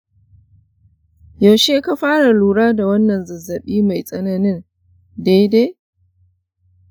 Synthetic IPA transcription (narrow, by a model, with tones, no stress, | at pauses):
ja˨ʃeː˦ka˦ɸaː˦ɽa˨luː˨ɽaː˦da˨wɐ˦nːɐ˨nzɐ˨zɐ˨ɓiː˦ma˨jsʼɐ˦na˦nɪ˦n | deː˦de˦